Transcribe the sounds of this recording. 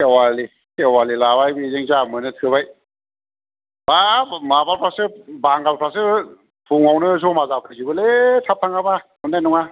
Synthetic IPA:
ewali | kʰewalilaβajbɯizeŋzamɯnɯtʰɯβaj | bamabalpʰɾasɯbaŋɡalpʰasɯ | pʰuŋawnɯzɔmazapʰɯzibɯletʰap̚tʰaŋabamɯnːajnɔŋa

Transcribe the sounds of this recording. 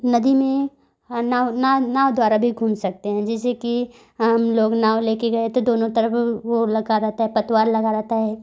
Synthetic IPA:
nɐd̪imẽ | nananaːwd̪waːɾabʱiɡʱuːmsɐk̚t̪eɦɛ̃ːd͡ʒɛːs̬eki | ɦɐmloːɡnaːwleːkeɡɐet̪od̪oːnõt̪ɐɾəfʋolɐɡaɾɐɦt̪aɦɛpɐt̪waːɾlɐɡaɾɐɦt̪aɦɛː

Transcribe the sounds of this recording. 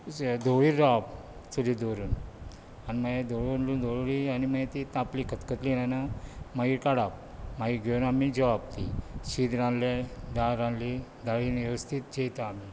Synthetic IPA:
d̪ʱoʋiːab | t͡sulid̪oɾuːn | animəed̪oɭunlund̪oɭlianiməet̪it̪ãplikʰət̪kət̪linanamaɡikaɽap̚ | maɡiɡʱeunamid͡ʑəʋab̚t̪ḭɕid̪ɾãnled̪aɾãnli | d̪aɭineʋəst̪ʰit̪̚d͡ʑet̪aami

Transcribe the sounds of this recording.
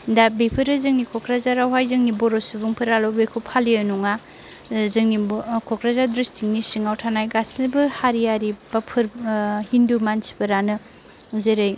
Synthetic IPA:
dabepʰɯɾɯzɯŋnikʰɔkɾazaɾawɦajzɯŋnibɔɾosubuŋpʰɯɾalɔwbekʰupʰalijanuŋa | zɯŋnikʰɔkɾazadɾistʰiŋ̚nisiŋawtʰanajɡasbɯhaɾijaɾibapʰɯɾhindumansi̥pɯɾanɯ | zeɾɯj

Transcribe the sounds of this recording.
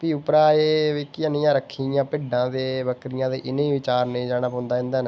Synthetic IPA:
piːʊpɾaːeːʋiːkɪənĩːãːɾəkʰːijãːpɪɖãːd̪eːbəkɾɪjãːd̪eːʔɪnẽːʋɪt͡ʃaːɾnẽːd͡ʒaːnaːpõnd̪aːɦɪ̃nd̪aːn

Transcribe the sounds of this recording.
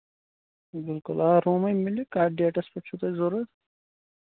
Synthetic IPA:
bɪlkʊlaːɾoːmɐjmilikaːɖijeʈɐspɐʈt͡ʃʰut̪ɐzoɾɐt̪

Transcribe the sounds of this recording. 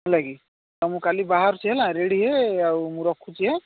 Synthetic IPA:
ɦũlaɡi | t̪ɔmũkalibaɦaɾt͡ʃʰiɦelãɾeɽiɦeaumũɾɔkʰːut͡ʃiɦe

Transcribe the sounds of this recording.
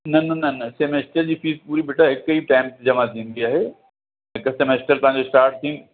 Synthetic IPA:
nɐnɐnɐnɐsemeːsʈəɾd͡ʑiːfiːs̚puːɾibeːʈʰaɦɪkiːʈaːɪ̃mpd͡ʑɐmãt̪ʰĩːn̆d̪iaːɦeː | ɦɪksemeːsʈəɾpɐ̃ɦɲd͡ʑosʈaːɾʈ̚t̪ʰĩː

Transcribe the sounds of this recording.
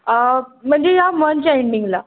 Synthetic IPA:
əm̤əɳd͡zejamənt͡ɕaeɳɖiŋɡla

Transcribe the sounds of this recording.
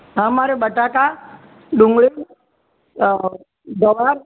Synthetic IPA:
ɦãmaɾebəʈaka | ɖʊ̃ŋɡɭi | d̪əʋaɾ

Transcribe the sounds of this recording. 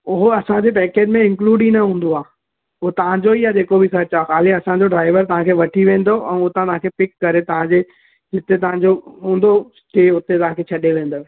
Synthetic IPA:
ʊɦoɐsãd͡ʑepɛːkeːd͡ʑmẽɪ̃ŋkluːɖĩnɐɦũːn̆d̪oaː | ʊɦot̪ɐʋ̤ãd͡ʑoijaːd͡ʑeːkobɪsɐɾt͡ɕaxaːliɐsãd͡ʑoɖɾaːɪʋəɾt̪ɐʋ̤ãkʰeːʋɐʈʰiʋẽːn̆d̪oʔɛ̰̃ːʊɦot̪ɐãɐɦãŋkʰepɪkːɐɾet̪ɐʋ̤ãd͡ʑe | d͡ʑɪt̪et̪ɐʋ̤ãd͡ʑoɦũːn̆d̪osʈeːʊt̪et̪ɐʋ̤ãkʰeːt͡ɕʰɐɗeʋẽːnd̪o

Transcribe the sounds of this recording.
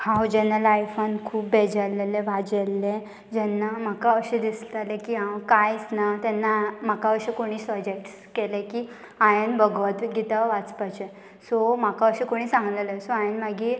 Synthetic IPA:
hãwd͡ʑɛnːalajfonkʰuːp̚bed͡ʑəleleʋad͡ʑelːẽ | d͡ʑɛnːam̤akaəɕẽd̪islalekiːɦãwkajt͡snat̪ɛnːam̤akaəɕekoɽ̃iːsəd͡ʑekʈs | kɛlekiː | ajənbəɡʋət̪ɡʱit̪aʋat͡spat͡ɕe | sɔm̤akaəɕekoɽ̃iːsãŋɡlelesoajənmaɡiː

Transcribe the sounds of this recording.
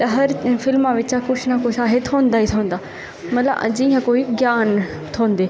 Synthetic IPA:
t̪ɐɦɐɾfɪlmãʋɪt͡ɕaxʊʃnakoʃaːɦɪt̪ʰoːnd̪aːɦit̪ʰõːn̆d̪aː | mɐt̪ləbd͡ʑĩːə̃koːiɡjaːn | t̪ʰõːn̆d̪eː

